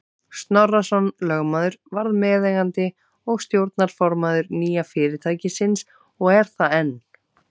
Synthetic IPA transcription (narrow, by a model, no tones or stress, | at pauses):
st̪nɔrːasɔnlœɣmaːðʏɾvaɾðmɛːðejɣant̪ɪ | ɔɣst̪jowɾt̪̚naɾ̥fɔɾmaðʏɾniːjafɪːɾɪɾt̪ʰaːjcɪsɪns | ɔɣɛɾ̥θaɛnː